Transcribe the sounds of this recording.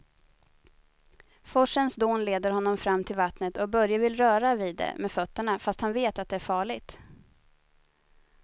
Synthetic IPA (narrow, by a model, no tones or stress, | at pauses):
fɔʂənsd̪oːnleːd̪əɾɦɔnːɔmfɾamːt̪ʰɪlvat̪nət̪ɔbœɾjavɪlɾœːɾaviːd̪ːɛ̰mɛfœt̪ːəɳafast̪hanveːt̪at̪̚d̪ɛæɾfɑːɭɪɡt̪